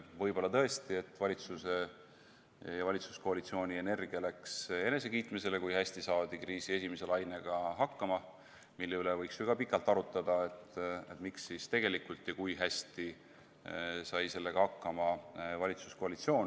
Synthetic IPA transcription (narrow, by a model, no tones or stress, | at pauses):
vɤjbo̞lːɑt̪ɤest̪ie̞t̪ːˑvɑlʲit̪suse̞ | jɑvɑlʲit̪su̥sko̞ɑlit̪sio̞ːnʲie̞ne̞rɡ̥iɑlækse̞ne̞s̬e̞kiːt̪mise̞le̞kujhæsʲt̪isɑːd̪̥ikriːsie̞simese̞lɑjne̞ɡ̥ɑɦɑkːɑmɑ | milːeylevɤjksjoɡ̥ɑpikːˑɑlt̪ːˑɑɾut̪ːˑɑd̪̥ɑe̞t̪ːet̪miksist̪e̞ɡ̥elikult̪ˑjɑkujɦæsʲt̪i | sɑjse̞lːe̞ɡ̥ɑhɑkːɑmɑvɑlʲit̪su̥sko̞ɑlit̪sio̞ːn